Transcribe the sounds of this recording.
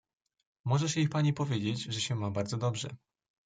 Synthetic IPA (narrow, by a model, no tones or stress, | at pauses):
mɔʐɛɕɛixpaɲipɔvʲjed͡ʑed͡ʑʐɛɕɛmabaɾzɔd̪ɔbʐɛ̰